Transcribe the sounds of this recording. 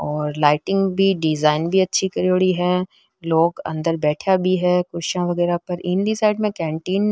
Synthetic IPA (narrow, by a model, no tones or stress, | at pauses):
ɔːɾlaːɪʈɪ̃ŋɡbʱiɖɪzaːɪnbʱiɐtːʃʰikɐɾjoːɽiɦɛː | loːɡɐ̰̃nd̪əɾbɛːʈʰjabʱiɦɛːkʊɾʃãʋɐɣɛːɾapɐɾʔĩːnd̪isaːɪɖmẽkɛ̃ːɳʈiːn